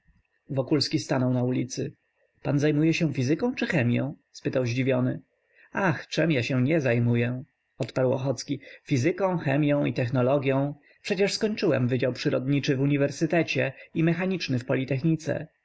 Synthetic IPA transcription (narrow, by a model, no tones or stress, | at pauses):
vɔkulskʲist̪anɔwnaulʲit̪sɘ | panzajmujɛɕɛfʲizɘkɔ̃w̃t͡ʂɘxɛmʲjɔ̰̃w̃spɘt̪awʑd͡ʑivʲjɔnɘ̰ | axt͡ʂɛmjaɕɛ̃ɲɛzajmujɛ | ɔt̪paɾwɔ̰xɔt̪skʲifʲizɘkɔ̃w̃xɛmʲjɔ̃w̃it̪ɛxnɔlɔɡʲjɔ̃w̃ | pʂɛt͡ɕɛʂskɔɲt͡ʂɘwɛ̰mvɘd͡ʑawpʂɘɾɔd̪ɲit͡ʂɘvuɲivɛɾsɘt̪ɛt͡ɕɛimɛxaɲit͡ʂnɘfpɔlʲit̪ɛxɲit̪sɛ̰